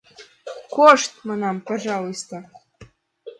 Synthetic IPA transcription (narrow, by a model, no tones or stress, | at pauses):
koʂt̪mɤnɑmpɑʐɑlˠost̪ŏ